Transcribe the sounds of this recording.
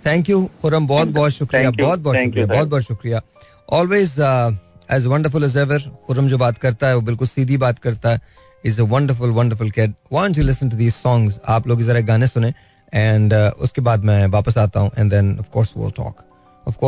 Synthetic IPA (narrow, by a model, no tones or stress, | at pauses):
t̪ʰɛ̃ːŋkjuxʊɾəmbɔːt̪̚bɔːt̪ʃʊkɾijabɔːt̪̚bɔːʃʊkɾijabɔːt̪̚bɔːt̪ʃʊkɾija | ʔɔːlweːz | ɛzʋɐ̃ɳɖəɾfʊlɛzɛʋəɾxʊɾəmd͡ʒoːbaːt̪kɐɾt̪aɦɛʋoːbɪlkʊlsiːd̪ʱibaːt̪kɐɾt̪aɦɛ | ɪzəʋɐ̃ɳɖəɾfʊlʋɐ̃ɳɖəɾfʊlkɪɖwãːns̬julɪsə̃nʈ̬ud̪iːzsɔ̃ːŋɡza̰ːploːɡizɐɾaɡaːnẽsʊnẽ | ɛ̃ːɳɖʊ̰skebaːd̪mɛ̃ʋaːpəs̬aːt̪aɦũʔɛ̰̃nɖd̪ɛ̃nɔfkɔːɾsʋḭlʈʰɔ̰ːk | əfkoː